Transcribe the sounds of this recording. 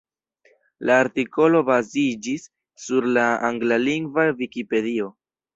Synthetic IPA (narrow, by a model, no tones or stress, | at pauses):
laːɾtiko̞lo̞bazid͡ʒisː | uɾlaaŋɡlaliŋɡvavikipe̞dio̞